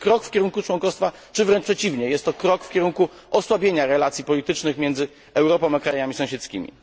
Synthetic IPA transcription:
kɾɔkfkʲɛɾuŋkut͡ʂwɔ̃ŋkɔst̪fat͡ʂɘvɾɛnt͡ʂpʂɛt͡ɕivɲɛjɛst̪ːɔkɾɔkfkʲɛɾuŋku | ɔswabʲjeɲaɾɛlat̪sʲjipɔlʲit̪ɘt͡ʂnɘxmʲjɛnd̪zɘ | ɛwɾɔpɔ̃makɾajamʲisɔ̃w̃ɕɛt̪skʲḭmʲḭ

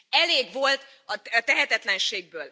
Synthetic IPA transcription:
ɛleːɡʋo̞lt̪ | ɒt̪ɛɦɛt̪ɛt̪lɛnʃeːɡ̚bøːl

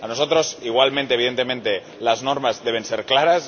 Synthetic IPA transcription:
ano̞so̞t̪ɾo̞siɣwalmẽnt̪eiðe̞nt̪e̞mẽ̞nt̪e̞ | lazno̞ɾmazðe̞β̞e̞nseɾklaɾas

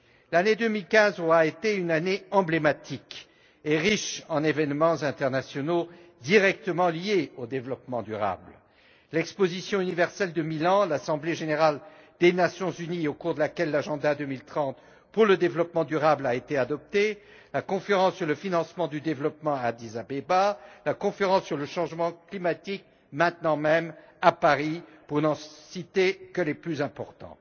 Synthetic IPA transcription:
laned̪ømilkʲɛ̃zɔʁaet̪eynaneɑ̃blemat̪ʰik | eʁiʃɑ̃nevɛnmɑ̃zɛ̃t̪ɛʁnasjɔno | d̪iʁɛk̚t̪əmɑ̃ljeod̪evlɔpmɑ̃d̪yʁa̰bl | lɛkspozisjɔ̃ynivɛʁsɛld̪əmilɑ̃lasɑ̃bleʒeneʁald̪enasjɔ̃zyniokuʁd̪əlakʲɛlːaʒɑ̃d̪ad̪ømilt̪χɑ̃t̪ | puʁləd̪evlɔpmɑ̃d̪yʁablaet̪ead̪ɔp̚t̪e | lakɔ̃feʁɑ̃sːyʁləfinɑ̃smɑ̃d̪yd̪evlɔpmɑ̃ad̪izabebalakɔ̃feʁɑ̃sːyʁləʃɑ̃ʒmɑ̃klimat̪ik̚ | mɛ̃t̪nɑ̃mɛm | apaʁipuʁnɑ̃sit̪ekəleplyzɛ̃pɔʁt̪ɑ̰̃

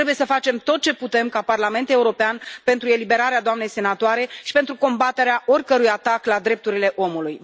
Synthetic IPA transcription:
ɾebuje̞səfat͡ʃe̞mt̪o̞t̪̚t͡ʃe̞put̪e̞mkaparlame̞nt̪e̞uɾo̞peanpe̞nt̪ɾue̞libe̞ɾaɾead̪oamne̞jse̞nat̪oaɾe̞ʃi̥pent̪ɾuko̞mbat̪e̞ɾeaʔo̞rʲkəɾujat̪aklad̪ɾe̞p̚t̪uɾile̞ʔo̞muluj

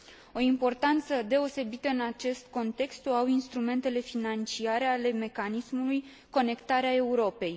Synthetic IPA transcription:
o̞impo̞rt̪ant̪səd̪e̞o̞se̞bit̪əɨnat͡ʃe̞st̪̚ko̞nt̪e̞kst̪oawinst̪ɾume̞nt̪e̞le̞finant͡ʃiaɾe̞ale̞me̞kanismuluj | ko̞ne̞kt̪aɾeae̞uɾo̞pe̞j

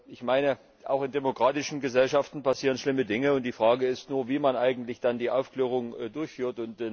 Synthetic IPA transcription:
ʔɪçmaɪnə | ʔa̰ʊxɪndemokʁ̥aːtɪʃn̩ɡəzɛlʃaftn̩pasiːʁənʃlɪmədɪŋəʊnt̚d̥iːfʁ̥aːɡəɪstnuːɐviːmanʔaɪɡŋ̩tlɪçd̥andiːʔaʊfkleːʁ̞ʊŋdʊɐçfyːɐtʊnt

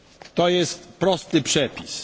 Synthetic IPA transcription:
t̪ɔjɛst̪pɾɔst̪ɘpʂɛpʲis

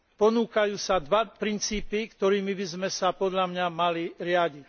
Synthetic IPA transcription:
pɔnuːkajuːsad̪ʋapɾint͡siːpikt̪ɔɾiːmibizmɛsapɔd̪ʎamɲamaliɾɪaɟic

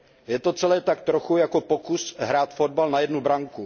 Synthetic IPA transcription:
jɛt̪o̞t͡sɛlɛːt̪akt̪ɾoxujako̞po̞kusɦɾaːt̪fo̞d̚balnajɛdnubɾaŋku

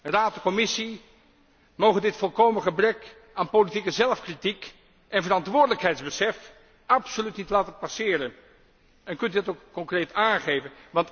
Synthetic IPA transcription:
raːtəkɔmɪsi | mowχəndɪtfɔlˠkowmənχəbrɛk | aːnpolitikəzɛlˠfkritik | ʔɛnvərɑntʋʊːɹdələkɦɛjtzbəsɛf | ʔɑpsolytnitlaːtəpɑsɪːɾən | ɛnkɵntydɑtowkːɔŋkrejtaːnχejvənʋɑnt

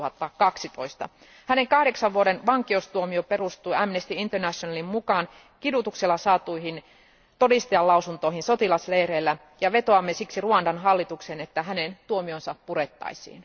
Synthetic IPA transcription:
uhɑt̪ːɑkɑksit̪o̞ist̪ɑ̰ | hæne̞ŋkɑhde̞ksɑʋʋuoɾenʋɑŋkioust̪uomiope̞rust̪ujæmnest̪iint̪ernæsonɑlimmukɑːn | kidut̪ukselːɑsɑːt̪uihin | t̪o̞dist̪ɑjɑlɑusunt̪o̞ihinso̞t̪ilɑslejreːlːæ | jɑʋe̞t̪oɑmːesiksiruɑndɑnɦɑlːit̪uksenet̪ːæɦænent̪uomionsɑpuɾe̞t̪ːɑ̰jsḭːn

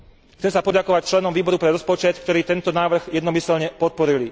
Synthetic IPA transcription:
xt͡sɛmsapɔɟakɔʋac̚t͡ʃlɛnɔmʋiːbɔɾupɾɛɾɔspɔt͡ʃɛt̪kt̪ɔɾiːt̪ɛnt̪ɔnaːʋr̩ɣjɛd̪nɔmisɛlɲɛpɔt̪̚pɔɾili

